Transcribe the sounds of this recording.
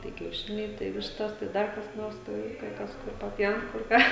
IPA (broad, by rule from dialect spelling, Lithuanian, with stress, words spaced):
tɐɪ kʲɛʊˈʃʲɪnʲɛɪ tɐɪ ˈʋʲɪʃtɐs tɐɪ ˈdɐr kɐs ˈnoːrs ˈtɐɪ kɐɪ ˈkɐs ˈkʊr pɐˈpʲjɛʊn kʊr ˈkɑː